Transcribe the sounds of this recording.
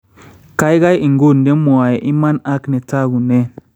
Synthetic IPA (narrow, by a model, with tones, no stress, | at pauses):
ka˦jɡa˦ji˨ŋɡo˦˨nde˦mu˨a˨je˨ʔi˦ma˦na˦kne˨ta˦ɡu˨ne˦